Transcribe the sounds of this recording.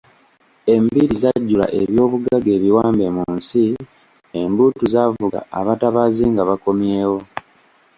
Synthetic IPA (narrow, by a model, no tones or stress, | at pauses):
e̞mbiɾizaɟːula̰ʔe̞βjo̞ːβuɡaɡe̞ːβiwaːmbe̞munsi | embutuzavuɡa̰aβataβaːziŋɡaβako̞mje̞ːwo̞